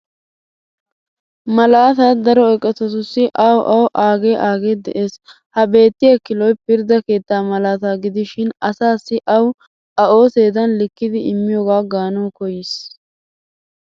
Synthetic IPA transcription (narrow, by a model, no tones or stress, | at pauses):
mɐlaːt̪ad̪ɐɾɔɛkʼːɛt̪ɔt̪ʊsːɪʔɐwʔɐwʔaːɡeːʔaːɡeːd̪ɛ̰ʔeːs | hɐbe̞ːt̪ːɪjɐkɪlɔjpɪɾd̪ɐke̞ːt̪ːaːmɐlaːt̪aːɡɪd̪ɪʃɪnɐsaːsːɪʔɐw | ɐo̞ːseːd̪ɐnlɪkːɪd̪ɪɪmːɪjoːɡaːɡaːnɐwkɔjɪs